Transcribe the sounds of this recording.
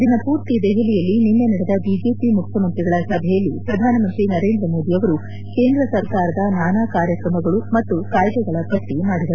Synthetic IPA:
d̪inɐpuːɾt̪id̪ɛɦelijɐlːininːeniɽɛd̪ɐbiːd͡ʒe̞ːpimukʰjɐmɐnpiɡɐɭɐsɐbʱɛjɐlːipɾɐd̪ʱaːnɐmɐnt̪ɾinɐɾe̞ːnd̪ɾɐmo̞ːd̪ijɐʋɐɾu | ke̞ːnd̪ɾɐsɐɾkaːɾɐd̪ɐnaːnaːkaːɾjɐkɾɐmɐɡɐɭumɐt̪ːukaːjd̪ɛɡɐɭɐpɐʈːimaːɽid̪ɐɾu

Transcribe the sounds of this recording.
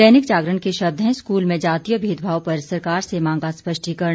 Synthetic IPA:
ɛːnɪkd͡ʒaːɡɾəɳkeʃɐb̚d̪ʱɦɛ̃skuːlmẽd͡ʒaːt̪ijəbʱiːd̪bʱaːʋpɐɾsɐɾkaːɾsemãːŋ̆ɡaspɐʃʈʰikɐɾ

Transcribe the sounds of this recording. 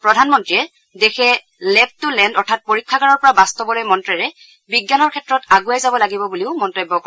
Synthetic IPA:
pɹɔdʱanmɔntɹiɛ | dɛxʰɛ | lɛp̚tulɛndɔɹtʰat̚poɹikʰːaɡaɹɔɹpɔɹabastɔbɔlɔjmɔntɹɛɹɛ | biɡjanɔɹkʰɛtɹɔtaɡujajzabɔlaɡibɔbuliʊmɔntɔjbːɔkɔ

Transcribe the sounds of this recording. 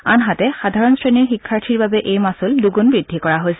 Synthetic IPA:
anɦatɛxadʱaɹɔnsɹeniɹxikʰːaɹtʰiɹbabɛʔejmasulduɡunbɹidʱːikɔɹaɦojsɛ

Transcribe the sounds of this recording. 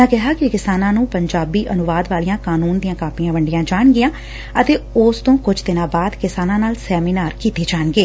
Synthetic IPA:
ãːkɪɦaːkɪkɪsaːnãːnũːpəɲd͡ʒaːbiːʔənʊʋaːd̪ʋaːlijãːkaːnuːnd̪ijãːkaːpijãːʋəɳɖɪjãːd͡ʒaːɳɡɪjãː | ət̪eːoːst̪õːkʊd͡ʒd̪ɪnãːbaːd̪kɪsaːnãːnaːlsɛːmiːnaːɾkiːt̪eːd͡ʒaːɳɡeː

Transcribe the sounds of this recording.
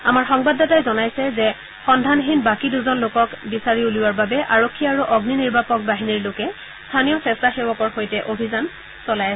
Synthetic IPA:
amaɹxɔŋbadɔtajzɔnajsɛzɛ | xɔndʱanɦinbakiduzɔnlokɔkbisaɹiuluwaɹbabɛʔaɹokʰːiaɹuʔɔɡniniɹbapɔk̚baɦiniɹlokɛ | stʰanijɔsɛstaxewɔkɔɹxojtɛʔobʱizan | sɔlajas

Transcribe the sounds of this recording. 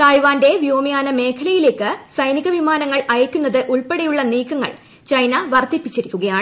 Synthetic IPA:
t̪ajʋaːnde̞ʋijoːmijaːnɐme̞ːkʰɐlɐjile̞ːkːɨsɐjniɣɐʋimaːnɐŋːɐɭɐjɐkʲːunːɐðɨʔuɭpeɽejuɭːɐniːkʰːɐŋːɐ̰ɭ | t͡ɕɐjnɐʋɐrt̪ipːit͡ɕːiɾikʲːuɣɐjaːɳɨ

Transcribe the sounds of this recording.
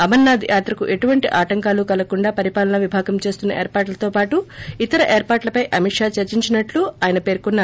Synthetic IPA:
ɐmɐnːaːd̪ʱijʔaːt̪ɾɐkṵʔe̞ʈuʋɐɳʈiʔaːʈɐŋkaːlukɐlɐkuɳɖaːpɐɾipaːlɐnɐʋibʱaːɡɐmt͡ʃe̞ːst̪unːɐʔeːɾpaːɾʈlɐt̪o̞ːpaːʈuit̪ɐɾɐʔe̞ːɾpaːɾʈlɐpɐjʔɐmiʂaːt͡ʃɐɾt͡ʃiɲt͡ʃinɐʈluaːjɐnɐpe̞ːɾkunːa

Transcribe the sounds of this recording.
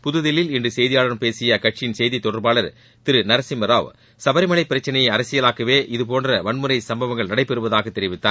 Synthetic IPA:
pʊðɯðɪlːɪlɪndrɯsɛjðɪjaːɭɐɾɯmpeːsɪjɐkɐʈt͡ʃɪnsɛjðit̪ːɔɽɐɾbaːɭɐɾ | t̪ɪɾɯnɐɾɐsɪmɾa̰ːʋ | sɐbɐɾɪmɐlɐɪpːɪɾɐt͡ʃːɐnɐjɐɐɾɐsɪjɐlaːkɐʋeːʔɪðɯp̬oːndrɐʋɐɳmɯɾɐɪsɐmbɐʋɐŋɡɐɭnɐɽɐɪpːɛɾɯʋɐðaːɣɐt̪ːɛɾɪʋɪt̪ːaː

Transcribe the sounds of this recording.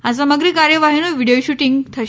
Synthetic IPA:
ãs̬əməɡɾiːkaɾjəʋaɦinoʋiɽijoɕuʈiŋɡt̪ʰə

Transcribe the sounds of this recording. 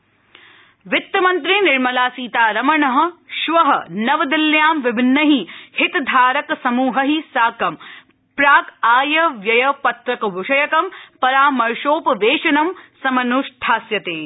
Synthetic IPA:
ʋɪt̪ːjɐmɐnt̪ɾinɪɾmɐlaːsiːt̪aːɾɐmɐɳɐɦɐ̆ʃʋɐɦɐnɐʋɐd̪iljaːmʋɪbʱɪnːɐɦihɪt̪d̪ʱaːɾɐksɐmuːɦɐɦisaːkɐm | pɾaːkaːjɐʋjɐjɐpɐt̪ɾɐkɐbʱuʂɐjɐkɐmpɐɾaːmɐɾʂoːpɐʋeːʃɐnɐmsɐmɐnuʂʈʰaːsjɐt̪eː

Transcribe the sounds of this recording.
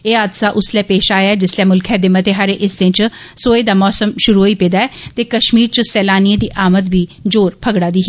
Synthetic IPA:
eːaːd̪saːʔʊslɛːpeːʃaːjaːɛːd͡ʒɪslɛːmʊlkʰɛːd̪eːmət̪eːɦaɾeʔɪsɪ̃t͡ʃ | soːeːd̪aːmɔːsəmʃʊɾuɦoːiːpeːd̪aːɛːt̪eːkəʃmiːɾt͡ʃəsɛːlaːniẽd̪iːʔaːmət̪ʋiːd͡ʒoːɾpʰəɡɽaːd̪iː

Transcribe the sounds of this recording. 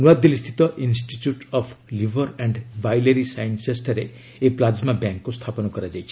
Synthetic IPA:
nuad̪ilist̪ʰi̥t̪ɔʔinsʈit͡ʃjuʈɔpʰlibʱɔɾɛɳɖbajleɾisajnsesʈɔɾe | eplad͡ʒmabjaŋkːust̪ʰapɔnɔkɔɾad͡ʒajt͡ʃʰi

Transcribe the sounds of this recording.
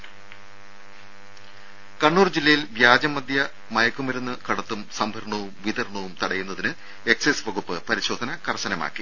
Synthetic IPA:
kɐɳːuːrd͡ʑilːɐjilʋjaːd͡ʑɐmːɐd̪ʱjɐ | mɐjɐkːumɐɾunːɨkɐɽɐt̪ːumsɐmbʱɐɾɳɐʋumʋid̪ɐɾɳɐʋumt̪ɐɽɐjunːɐðinɨ | e̞ksesʋɐɣupːɨpɐɾiɕo̞ːd̪ʱɐnɐkɐrsɐnɐma̰ːkːi

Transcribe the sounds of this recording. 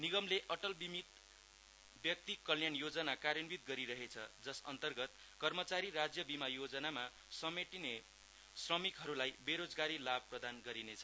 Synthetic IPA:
niɡʌmleʔʌʈʌlbimit̪ | bjʌk̚t̪ikːʌljanjod͡zʌnakaɾjʌnbit̪̚ɡʌɾiɾʌɦet͡sʰʌd͡zʌsʌ̰nt̪ʌrɡʌt̪ | kʌrmʌt͡saɾirad͡zjʌbimajod͡zʌnama | sʌmeʈine | srʌmikɦʌɾulajbeɾod͡zɡaɾilab̚prʌd̪anɡʌɾinet͡sʰʌ

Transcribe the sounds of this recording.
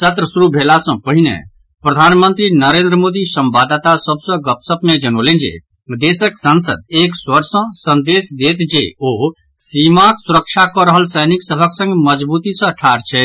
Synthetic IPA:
sət̪ɾəsʊɾubʱeːlasɔ̃pəɦinɛ̰ | pɾɐd̪ʱaːnmə̃nt̪ɾinəɾẽːnd̪ɾəmoːd̪isə̃mbaːd̪at̪asəbsɔ̃ɡəpsəbmẽd͡ʒənoːlẽd͡ʒḛ | d̪eːsəksə̃nsə̰d̪eːkswəɾsɔ̃sə̃nd̪eːsd̪eːt̪d͡ʒḛoː | siːmãksʊɾəkʃʰakɔɾəɦəlsəjnɪksəbʱəksə̃ŋɡməd͡ʒbuːt̪isə̃ʈʰaːɾt͡ʃʰɛ

